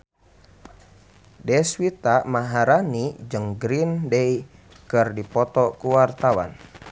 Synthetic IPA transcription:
dɛswit̪amaɦaɾanid͡ʒɨŋɡɾindɛi | kɨrdipɔt̪ɔkuwart̪awa̰n

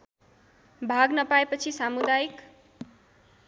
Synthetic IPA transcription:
bʱaɡnʌpaepʌt͡sʰisamud̪ajk

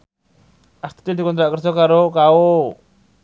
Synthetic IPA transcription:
ast̪ḁt̪id̪ikɔnt̪ɾaʔkərsɔkaɾokao

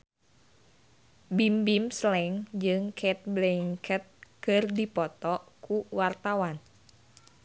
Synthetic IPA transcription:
bimbimslɛŋd͡ʒɨŋkʰɛt̪̚blɛŋkət̪̚kɨrdipɔt̪ɔkuwart̪awan

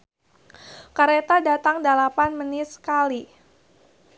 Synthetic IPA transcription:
kaɾet̪adat̪aŋdalapanməniskali

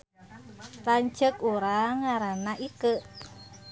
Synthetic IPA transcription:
t̪aɲd͡ʒəkuɾaŋaɾanaʔikə

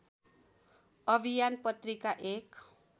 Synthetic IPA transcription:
ʌbʱijanpʌt̪rikaʔek

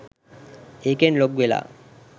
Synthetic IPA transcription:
ekenlok̚ɡela̰

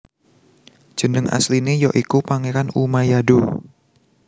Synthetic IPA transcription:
d͡ʒ̥ənəŋa̰slinejɔʔikupaŋeɾanumajado

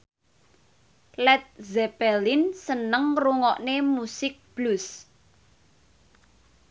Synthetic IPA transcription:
lɛt̪̚zɛpɛlɪnsənəŋruŋɔʔnemusɪk̚b̥lus

